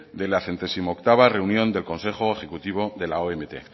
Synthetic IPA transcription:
d̪elaθe̞nt̪e̞simoːk̚t̪aβ̞are̞unjõ̞nd̪e̞lko̞nse̞xoexe̞kut̪iβ̞o̞ðe̞laoemet̪e̞̰

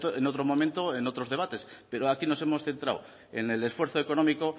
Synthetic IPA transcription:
t̪oeno̞t̪̬ɾomõ̞ment̪o̞eno̞t̪ɾozðeβ̞at̪e̞spe̞ɾoakino̞se̞mo̞sθe̞nt̪ɾa̰w | e̞̰ne̞le̞sfwe̞ɾθoeko̞no̞miko̞

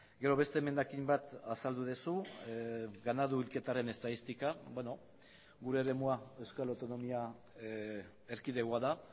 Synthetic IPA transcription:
ɡe̞ɾo̞βe̞st̪e̞me̞nd̪akimbat̪asald̪uð̞esu | ɡanaðuilke̞t̪aɾe̞ne̞st̪aðist̪ikabeno | ɡuɾe̞ːɾe̞muae̞wskalawt̪o̞no̞mia | eɾkiðe̞ɣoaða

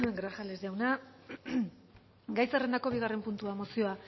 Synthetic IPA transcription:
ɡɾaʝale̞zʝawna | ɡajsere̞nd̪ako̞βiɣ̞are̞mpunt̪uamosio̞a

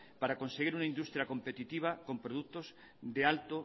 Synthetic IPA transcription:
paɾako̞nseɣ̞iɾunaĩnd̪ust̪ɾjako̞mpet̪it̪iβ̞ako̞mpɾoð̞ukt̪os | ðealt̪o

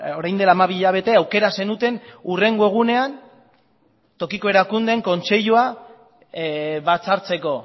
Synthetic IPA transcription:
oɾajnd̪e̞laːmaβiʎaβ̞e̞t̪e̞awke̞ɾase̞nut̪e̞nure̞ŋɡoe̞ɣ̞une̞an | t̪o̞kiko̞e̞ɾakund̪e̞ŋko̞nt͡se̞ʎua | βat͡saɾt͡se̞ko̞

